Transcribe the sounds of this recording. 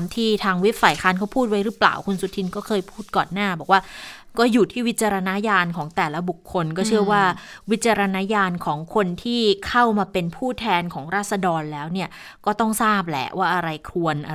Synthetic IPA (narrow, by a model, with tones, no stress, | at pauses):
mt̪ʰiː˥˩t̪ʰaː˧ŋwi˦˥p̚faː˨˩jkʰaː˦˥nkʰa˦˥wpʰuː˥˩t̪̚wa˦˥jɾɯː˦˥pla̰ː˨˩wkʰu˧nsu˨˩t̪ʰi˧nkɔː˥˩kʰɤː˧jpʰu̥ː˥˩t̪̚kɔː˨˩nːaː˥˩bɔː˨˩k̚waː˥˩kɔː˥˩juː˨˩t̪ʰiː˥˩wi˦˥t̪̚t͡ɕa˧ɾa˧na˦˥jaː˧nkʰɔː˩˦ŋt̪ɛː˨˩la˦˥bu˨˩kʰːo˧nkɔː˥˩t͡ɕʰɯ˥˩ɐwaː˥˩wi˦˥t̪̚t͡ɕa˧ɾa˧na˦˥jaː˧nkʰɔː˩˦ŋkʰo˧nt̪ʰiː˥˩kʰa˥˩wmaː˧pe˧npʰuː˥˩t̪ʰɛː˧nkʰɔː˩˦ŋɾaː˥˩t̪̚sa˧dɔː˧nlɛː˦˥wni˥˩ɐ | kɔː˥˩t̪ɔ˥˩ŋsaː˥˩p̬̚lɛ̰˨˩˦waː˥˩ʔa˧ɾa˧jkʰlu˧ənʔ